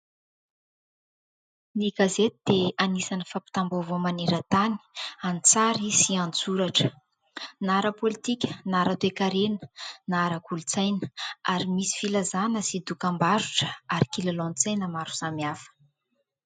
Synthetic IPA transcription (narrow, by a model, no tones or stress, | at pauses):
niɡazet̪id̪̥eanisanəfapi̥t̪ambovomaneɾət̪ani̥anit͡saɾisiant͡suɾaʈ͡ʂə̥ | naɾəpolit̪ikʲə̥naɾat̪wekaɾenə̥naɾəkulut͡sajnə̥aɾimisi̥filazanəsid̪ukambaɾuʈ͡ʂə̥aɾikilalont͡sajnəmaɾu̥samiafə̥